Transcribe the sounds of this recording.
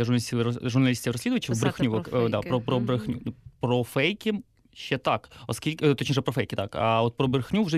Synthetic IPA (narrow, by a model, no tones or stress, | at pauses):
ɐʒʊrnɐlʲisʲkʲʒʊrnɐlʲisʲtʲiwɾrɔsʲlʲid̪ʊʋɐt͡ʃɪbɾɪxnʲuɔkd̪apɾɔpɾɔbɾɪxnʲunpɾɔfɛjkʲɪ | ʃt͡ʃɛt̪ɑkɔskʲilʲkt̪ɔt͡ʃnɔʒɛpɾɔfɛjkʲɪt̪ɑkɐ̰ɔt̪̚pɾɔbɾɪxnʲuwʒɛ